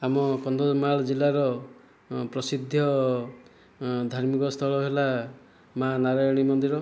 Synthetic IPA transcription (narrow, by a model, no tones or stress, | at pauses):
amɔkɔnd̪ʱomaɭɔd͡ʒilaɾɔ | pɾɔsid̪ʱjɔ | d̪ʱaɾmikɔst̪ʰɔɭɔɦela | manaɾajɔɽ̃imɔnd̪iɾɔ